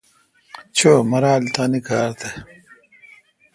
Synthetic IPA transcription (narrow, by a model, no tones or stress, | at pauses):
t͡ɕʰoːmɐɾaːlt̪aːnikaːɾt̪ʰe